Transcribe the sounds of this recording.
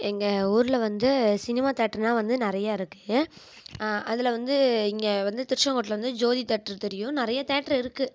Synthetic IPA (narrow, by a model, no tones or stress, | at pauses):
ɛŋɡɐuːɾɯlɐʋɐnd̪ɯsɪnɪmaːt̪eːʈːɾnãːʋɐnd̪ɯnɪɾɐjaːɪɾɯkːɯ | ʔɐðɪlɐʋɐnd̪ɯɪŋɡɐʋɐnd̪ɯt̪ɪɾʂɐŋkoːʈ̬ːɪlɐʋɐnd̪ɯd͡ʒoːðit̪ɛːʈːɾt̪ɛɾɪjʊ̃nɪɾɐjat̪eːʈɾɪɾɯkːɯ